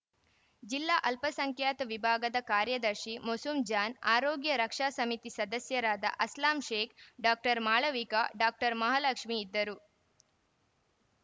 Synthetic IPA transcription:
d͡ʒilːaːʔɐlpɐsɐŋkjaːt̪ɐʋibʱaːɡɐd̪ɐkaːɾjɐd̪ɐɾʃimosumd͡ʒaːnaːɾoːɡjɐɾɐkʂaːsɐmit̪isɐd̪ɐsjɐɾaːd̪ɐ̰ʔɐslaːmʃeːkɖaːk̚ʈɐɾmaːɭɐʋikaɖaːk̚ʈɐɾmɐɦalɐkʂmiːd̪ːɐɾu

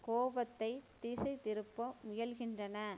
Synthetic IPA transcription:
koːbɐt̪ːɐɪt̪iːsɐɪt̪ɪɾɯpːɐmʊjɐlɣɪndrɐnɐ

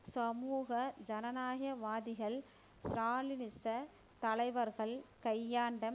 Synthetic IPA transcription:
sɐmuːɣɐd͡ʒɐnɐnaːɣjɐʋaːðɪɣɐɭ | sɾaːlɪnɪsɐ | t̪ɐɭɐɪʋɐɾɣɐɭkɐjːaːɳɖɐm

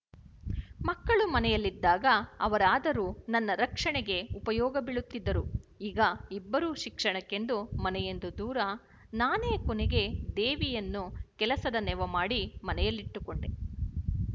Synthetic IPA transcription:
mɐkːɐɭumɐnɛjɐlːid̪ːaːɡɐɐʋɐɾaːd̪ɐɾuːnɐnːɐɾɐkʂɐɳɛɡe̞upɐjɔːɡɐbiɭut̪ːid̪ːɐɾuiːɡɐibːɐɾuːʃikʂɐɳɐkːe̞nd̪umɐnɛje̞nd̪ud̪uːɾɐ | naːneːkoneɡe̞d̪eːʋijɐnːukɛlɐsɐd̪ɐnɛʋɐmaːɽimɐnɛjɐlːiʈːukoɳɖe

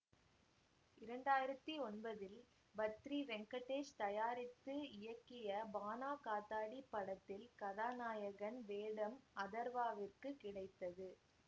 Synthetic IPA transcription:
ɪɾɐɳɖaːjɪɾɐt̪ːiɔnbɐðɪl | bɐt̪ɾiʋɛŋkɐʈːeːʂt̪ɐjaːɾɪt̪ːɯɪjɐkːɪjɐbaːnaːkaːt̪ːaːɽipːɐɽɐt̪ːɪlkɐðaːnaːjɐɣɐnʋeːɽɐmɐðɐɾʋaːʋɪrkɯkɪɽɐɪt̪ːɐðɯ

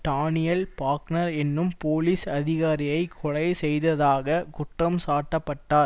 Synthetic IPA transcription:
ʈ̪aːnɪjɐlpaːknɐɾɛnːɯmpoːliːsɐðɪɣaːɾɪjɐɪkʰːʊɻɐjsɛjðɐðaːɣɐkʊʈrɐmsaːʈːɐpːɐʈːaːɾ

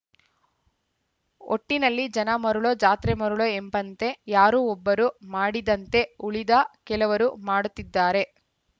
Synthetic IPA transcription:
o̰ʈːinɐlːid͡ʒɐnɐmɐɾuɭoːd͡ʒaːt̪ɾemɐɾuɭoembɐnt̪e̞jaːɾuːɔbːɐɾumaːɽid̪ɐnt̪e̞uɭid̪ɐkɛlɐʋɐɾumaːɽut̪ːid̪ːaːɾe̞

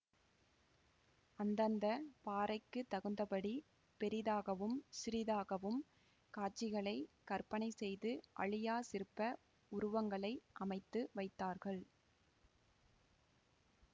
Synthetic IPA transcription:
ɐnd̪ɐnd̪ɐpaːɾɐɪkːɯt̪ːɐɣɯnd̪ɐpɐɽi | pɛɾɪðaːɣɐʋɯmsɪɾɪðaːɣɐʋɯm | kaːʈt͡ʃːɪɣɐɭɐɪkɐɾpɐnɐɪsɛjðɯʔɐ̰ɭɪjaːsɪɾɯpːɐ | ʊɾʊʋɐŋɡɐɭɐɪʔɐmɐɪt̪ːɯʋɐɪt̪ːaːɾɣɐɭ

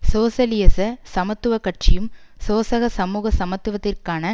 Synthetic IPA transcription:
soːsɐlɪjɐsɐsɐmɐt̪ːɯʋɐkɐʈt͡ʃɪjɯmsoːsɐɣɐsɐmuːɣɐsɐmɐt̪ːɯʋɐt̪ːɪrkaːnɐ

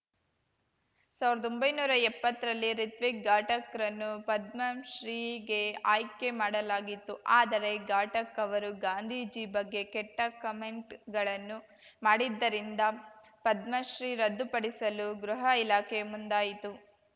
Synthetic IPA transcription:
saːʋiɾɐd̪ombɐjnuːɾɐɛpːɐt̪ːɐɾɐlːiɾit̪ʋik̚ɡaːʈɐkɾɐnːupɐd̪mɐʃɾiːɡe̞aːjke̞maːɽɐlaːɡit̪ːuʔaːd̪ɐɾe̞ɡaːʈɐkɐʋɐɾuɡaːnd̪ʱiːd͡ʒibɐɡːe̞kɛʈːɐkɐmeɳʈɡɐɭɐnːu | maːɽid̪ːɐɾind̪ɐ | pɐd̪mɐʃɾiːɾɐd̪ːupɐɽisɐluɡɾuɦɐilaːkʰemund̪aːjit̪u

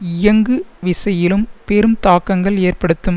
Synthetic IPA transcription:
ɪjɐŋɡɯʋɪsɐjɪlɯmpɛɾɯmt̪aːkːɐŋɡɐɭeːrpɐɽɯt̪ːɯm

